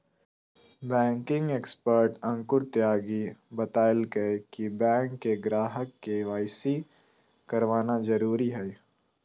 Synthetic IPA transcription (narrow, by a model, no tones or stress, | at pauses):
bɛ̃ːŋkɪ̃ŋɡeːkspəɾʈɐ̃ŋkʊɾt̪jaːɡibɐt̪aːjəlɡɐekibɛ̃ːŋkːeɡɾaːɦəkːeʋaːɪsi | kɐɾʋaːnazɐɾuːɾiɦɛ